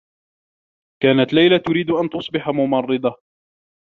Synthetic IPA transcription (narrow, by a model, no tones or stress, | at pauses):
kaːnat̪lajlat̪ʊɾiːd̪ʔant̪ʊsˤbɪħamʊmɑrˤːɨd̪ˤɑ